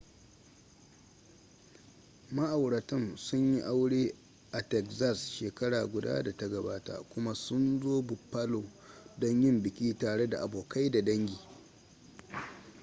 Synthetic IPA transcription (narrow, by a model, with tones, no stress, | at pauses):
mɐ˦ʔa˨wɽɐ˨tɔ˦nsʊ˦ɲji˦ʔa˦wɽeː˦ | ʔa˨tɛ˨kza˦˨sʃeː˨kɐ˦ɽaː˨ɡʷʊ˨da̰ː˦da˨ta˦ɡɐ˨baː˦ta̰˨kʷʊ˦ma˦sʊ˦nzoː˦bʊ˨pːa˦loː˨dɔ˦ɲjɪ˦mbɪ˨kʲiː˦taː˨ɽe˦da˨ʔa˨boː˨ka˦jda˨dɐ˦ŋɡʲiː˨